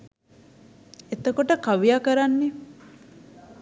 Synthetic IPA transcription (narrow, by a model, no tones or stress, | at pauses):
et̪əkoʈəkaʋijakɐɾanːe